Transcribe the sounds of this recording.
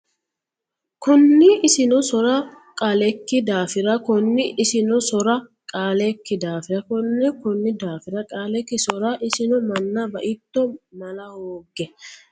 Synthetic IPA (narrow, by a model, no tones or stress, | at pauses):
kʊnːɪʔɪsɪnɔsɔɾɐ | kʼalɛkːɪd̪aːfɪɾɐkʊnːɪʔːsɪnɔsɔɾɐkʼaːlɛkːɪd̪aːfɪɾɐkʊnːɛkʊnːɪd̪aːfɪɾɐkʼaːlɛkːɪsɔɾɐʔɪsɪnɔmɐnːɐbɐʔɪt̪ːɔmɐlɐhoːɡɛ